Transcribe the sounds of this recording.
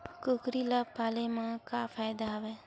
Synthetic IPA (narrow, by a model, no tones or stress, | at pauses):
kʊkɾilapaːlemãkapʰaːjd̪aɦɐʋeː